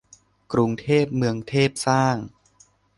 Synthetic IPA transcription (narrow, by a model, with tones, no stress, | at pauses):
kɾu˧ŋt̪ʰeː˥˩p̚mɯ˧əŋt̪ʰeː˥˩p̚saː˥˩ŋ